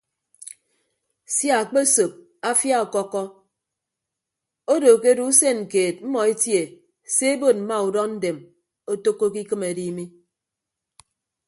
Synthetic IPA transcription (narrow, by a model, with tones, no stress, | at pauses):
sja˨k͡pe˦so˨p̚ | a˦fja˦ɔ˨kɔ˦kːɔ˦ | o˦doː˨ke˦du˦u˦se˦˨nŋ̩˨keː˨t̚m̩˦mɔ˨e˦tje˨ | se˦e˦bo˨t̚m̩˨˦ma˦u˨dɔ˦n̩˦de˨m | o˦to˦kːo˦k̬i˦kɨ˦me˨di˦mi˦